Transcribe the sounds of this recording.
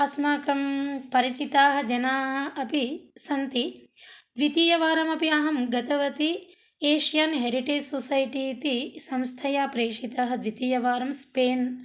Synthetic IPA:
ɐsmaːkɐmpɐɾit͡ʃit̪aːɦɐ̆d͡ʒɐnaːɦɐɐpisɐnt̪id̪ʋit̪iːjɐʋaːɾɐmɐpiaːɦɐmɡɐt̪ɐʋɐt̪i | eːʃjaːnɦeɾiʈeːd͡ʒsosɐjʈiːt̪isɐ̃mst̪ʰɐjaːpɾeːʂit̪aːɦɐ̆d̪ʋit̪iːjɐʋaːɾɐmspeːn

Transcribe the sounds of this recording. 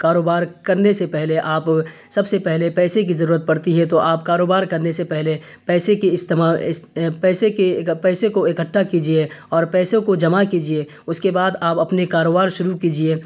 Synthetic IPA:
kaːɾoːbaːɾkɐɾnesepɛɦleʔaːp | sɐbsepɛɦlepɛːsekizɐɾuːɾət̪̚pɐɽt̪iɦɛt̪oʔaːpkaːɾoːbaːɾkɐɾnesepɛɦle | pɛːsekeɪst̪maɪspɛːsekepɛːsekoɪkəʈʰːakiːd͡ʒieɔːɾpɛːsõkod͡ʒɐmakiːd͡ʒie | ʊskebaːd̪aːpɐpnekaːɾoːbaːɾʃʊɾukiːd͡ʒieː

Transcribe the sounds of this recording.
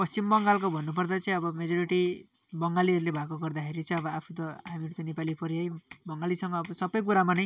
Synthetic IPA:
pʌst͡simbʌŋɡalkobʱʌnːup̬ʌrd̪at͡sʌĩʌbʌmed͡zʌɾiʈi | bʌŋɡaliʌɾulebʱakoɡʌrd̪akʰeɾit͡sʰʌʌbʌapʰut̪ʌɦamiɾut̪ʌnepalipʰʌɾiʌjbʌŋɡalisʌŋɡʌːbʌsʌbʌjk̬uɾamanʌj

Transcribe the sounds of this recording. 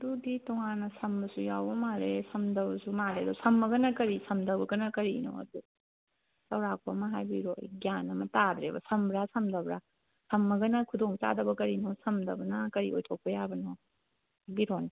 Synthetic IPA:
ɐduditɔŋanɐsɐmbɐsujawbɐmaɾesɐmdɐbɐsumadedusɐmːɐɡɐnɐkɐɾisɐmdɐbɐɡɐnɐkɐɾino̰ɐ̰du | sɐwɾak̚ʰomɐɦajbiɾo̰jɡijanːɐmɐtad̪ɾebɐsɐmbɾasɐmdɐbɾa | sʰɐmːɐɡɐnɐkʰudoŋt͡ʃa̰dɐbɐkɐɾinosɐmdɐbɐnɐkɐɾḭojtʰok̚pɐjabɐno | biɾoni

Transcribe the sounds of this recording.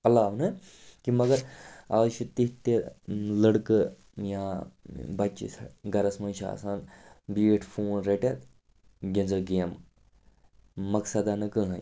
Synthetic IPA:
ɐlaːʋnɨ | kimɐɡɐɾaːʃit̪iɦt̪eləɽkə | jãːbɐt͡ʃḭsɐɡɐɾɐsmɐnʃa̰ɐ̰saːnbiːʈʰfʰoːnɾeʈet̪ | ɡʲẽnd͡zɐɡeːm | ɐksɐd̪anɐkɨɦãj

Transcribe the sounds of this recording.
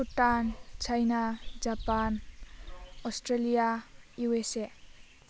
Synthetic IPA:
uʈːant͡ʃajnad͡ʒapan | ɔsʈɾelijajuese

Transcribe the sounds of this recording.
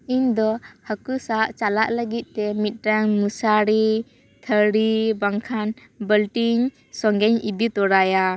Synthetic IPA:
iɲd̪ɔhəkusaʔt͡ʃalaʔləɡit̪̚ˀt̪ɛmit̪̚ʈaŋmusaɾi | t̪ʰəɾibaŋkʰan | bəlʈiɲ | sɔŋɡɛɲid̪it̪ɔɾaja

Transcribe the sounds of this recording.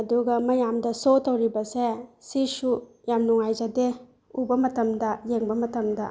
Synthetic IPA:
ɐduɡɐmɐjamdɐsotɐwɾibɐsesisu | jamnuŋajzade | ubɐmɐtɐmdɐjeŋbɐmɐtɐmdɐ

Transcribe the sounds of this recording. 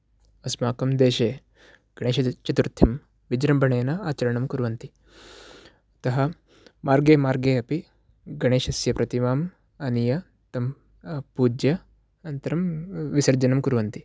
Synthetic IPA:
ɐsmaːkɐmd̪eːʃeː | ɡ̥ɐɳeːʃɐt͡ʃɐt̪uɾt̪ʰːɐm | ʋid͡ʒɾɐmbʱɐɳeːnɐaːt͡ʃɐɾɐɳɐmkuɾuʋɐnt̪i | ɐt̪ɐɦɐ̆ | maːɾɡeːmaːɾɡeːɐpi | ɡɐɳeːʃɐsjɐpɾɐt̪imaːm | ɐnijɐ | t̪ɐm | puːd͡ʒjɐ | ɐnt̪ɐɾɐmʋisɐɾd͡ʒɐnɐmkuɾʋɐnt̪i

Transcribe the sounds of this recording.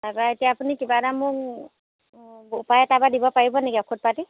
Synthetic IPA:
aɹaetijaːpunikibadamʊk | upajɛtabadibɔpaɹibɔneɡiɔkʰut̚pati

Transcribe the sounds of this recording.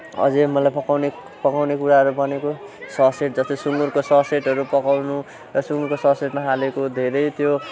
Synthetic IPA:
ʌ̰d͡zemʌlajpʌkawne | pʌkawnekuɾaɦʌɾubʌnekosʌseʈ̚d͡zʌst̪isuŋurkosʌseʈʌɾupʌkawnu | rʌsuŋɡurkosʌseʈmaɦalekod̪ʱeɾʌjt̪jo

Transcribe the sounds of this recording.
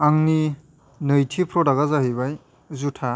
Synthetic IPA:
aŋni | nɯjtʰipʰɾɔdaɡazaɦijbaj | zutʰa

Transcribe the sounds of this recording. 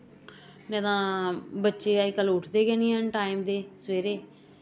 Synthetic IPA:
nɛ̃ːt̪ãːbətːʃeːaikəlːʊʈʰd̪eːkɛːnĩːɦənʈaːimd̪eːsʋeːɾeː

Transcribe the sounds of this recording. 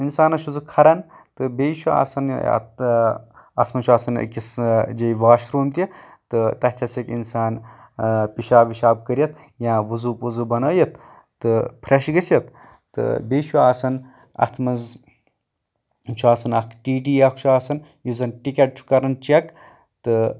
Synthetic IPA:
insaːnɐʃʰuzɨkʰɐɾɐn | t̪ɨbeːʃʰua̰sɐn̰t̪ | ɐt̪ʰmɐnt͡ʃʰuaːsɐn̰kʲisd͡ʒejʋaːʃɾuːmt̪i | t̪ɨt̪ɐt̪ʰʲɐsɐkinsaːn | piʃaːʋiʃaːb̚kəɾijɐt̪ʰ | jãːʋuzupuzubɐnəːjɐt̪ː | ɨpʰɾɐʃɡəsʲɐt̪ | t̪ɨ̰beːʃʰuaːsɐn | ɐ̰t̪ʰmɐnz | t͡ʃʰuaːsɐnɐkʰʈiːʈiːɐkʰt͡ʃʰuaːsɐn | juzɐnʈikʲɐʈ̚t͡ʃʰu̥kɐɾɐnt͡ʃɐk | t̪ɨ

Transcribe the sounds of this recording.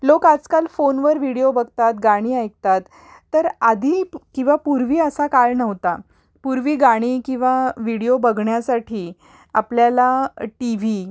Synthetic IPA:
lokad͡zkalfonʋəɾʋiɽiobəɡt̪at̪ɡaɽ̃iːajk̚t̪at̪ː | əɾad̪ʱikĩw̃ʋapuɾʋiːəsakaɭnəʋt̪a | puɾʋiːɡaɽ̃iːkĩw̃ʋaʋiɽiobəɡʱɳjasaʈʰiː | a̰pljalaʈiʋ̤i

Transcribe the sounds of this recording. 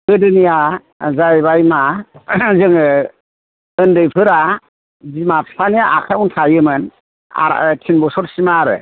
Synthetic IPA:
ɯdɯnija | zajβajma | zɯŋɯ | ɯndɯjpʰɯɾa | zimapsʰanijaʔakʰauntʰajɯmɯn | a̰ɾ̰tʰinbɔsɔɾsimaɾɯ̰

